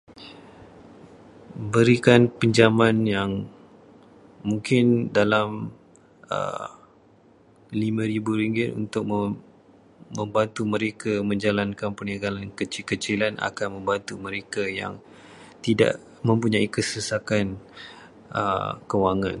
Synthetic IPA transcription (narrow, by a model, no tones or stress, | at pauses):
bəɾikanpəɲd͡ʒamanjaŋ | muŋkɪndalam | ə̰ | limãɾibuɾiŋɡɪt̪ṵnt̪ʊk̚mə | mə̃mbant̪umə̃ɾekʰamə̃ɲd͡ʒalankanpənaɡalankət͡ʃilkət͡ʃilana̰kanmə̃mbant̪umə̃ɾekaja̰ŋ | t̪ida̰ʔ | mə̃mpuɲãikəsəsakan | ʔə̰kəwaŋãn